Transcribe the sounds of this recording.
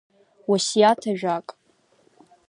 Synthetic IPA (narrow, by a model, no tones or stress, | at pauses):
wasijatʰaʒᶣakʼ